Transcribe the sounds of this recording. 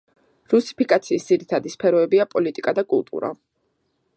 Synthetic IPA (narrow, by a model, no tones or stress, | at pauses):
ɾusi̥pʰikʼat̪sʰiːsd̪ziɾit̪ʰad̪ispʰɛɾɔɛbiapʼɔlit̪ʼikʼad̪akʼṵlˠt̪ʼṵɾa̰